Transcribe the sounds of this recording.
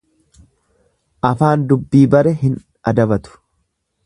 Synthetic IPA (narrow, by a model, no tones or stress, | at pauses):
ʔɐfaːnd̪ʊbːiːbɐɾɛɦɪn | ʔɐd̪ɐbɐt̪ʊ̥